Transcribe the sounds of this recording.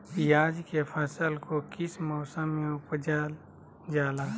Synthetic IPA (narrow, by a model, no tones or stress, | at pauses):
jaːd͡ʒkepʰəsəlkokɪsmɔːsə̃mẽʊpd͡ʒaːl | d͡ʒaːlaː